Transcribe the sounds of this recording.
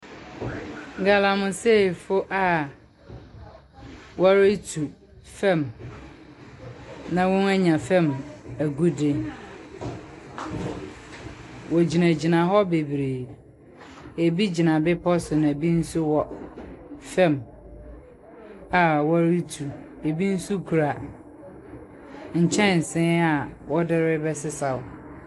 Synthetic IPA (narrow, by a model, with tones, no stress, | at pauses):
ŋ˦ɡa˨lã˨mʊ̃˨se˦˨fʊ˦ʔa˦˨ | wɔ˦ɾɪ˦tʰu˨ | fɛ̃˦˨m | nã˦wʊ̃˦næ˦ɲã˨fɛ̃˦˨mæ˨ɡu˦de˦n | wɔ˨d͡ʑi˨næ̃˨d͡ʑi˨nã˨ɦɔ˦be˨bɾe˨ | e˨bi˦d͡ʑi˨nã˨bɪ˦pʰɔ˦sʊ˨nã˨æ˨bi˦n̩˦sʊ˦wɔ˦ | fɛ̃˦˨m | a˨wɔ˦ɾi˦tʰu˨ | e˨bi˦n̩˦su˦kʰu˨ɾa˨ | ɲ̩˨t͡ɕʰɛ̃˦˨n̩˨sɪ̃˦a˨wɔ˦dɪ˦ɾɪ˦bɛ˦sɪ˦sa˨wʊ˨